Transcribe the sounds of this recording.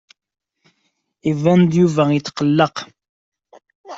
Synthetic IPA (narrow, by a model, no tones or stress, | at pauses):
ivænd̪juvæjət̪ːqɑlːəq